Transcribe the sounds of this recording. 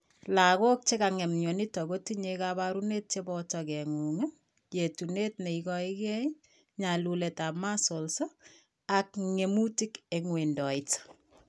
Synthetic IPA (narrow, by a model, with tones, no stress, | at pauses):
la˨ko˦k̚t͡ʃe˦ka˨ŋɛ˨mɲo˨ni˦tɔ˨ɡo˦tiɲekabaɾune˦t̚t͡ʃebɔ˦tɔkɛ˨ŋu˨ŋe | je˨tu˨netne˨ikɔi˦kɛ˦ | ɲa˨lule˨ta˨pma˦so˨lso˦ | a˨kŋe˨mu˦ti˦keŋwendɔ˨ɪt